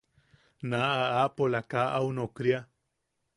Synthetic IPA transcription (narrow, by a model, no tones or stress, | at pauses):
naaaʔpolakaʔawnokɾia